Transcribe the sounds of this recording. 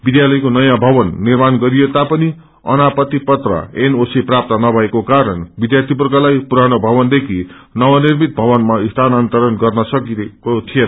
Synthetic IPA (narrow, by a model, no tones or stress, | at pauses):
bid̪jalʌjkonʌjãbʱʌbʌnːirmanɡʌɾijet̪apʌni | ʌ̰napʌt̪ipʌt̪rʌ̰enosiprap̚t̪ʌnʌbʱʌekokaɾʌnbid̪jart̪ʰipurɡalajpuɾañobʱʌβʌnd̪ekʰinʌwanirmit̪̚bʱʌβʌnmaist̪ʰanant̪ʌɾʌnɡʌrnʌsʌkikot̪ʰijen